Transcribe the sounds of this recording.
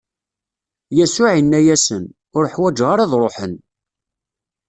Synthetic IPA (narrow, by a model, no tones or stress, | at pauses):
jæsʊʕinːæjæsən | ʊɾəħwæd͡ʒʁaɾˤɑðˤɾˤoħən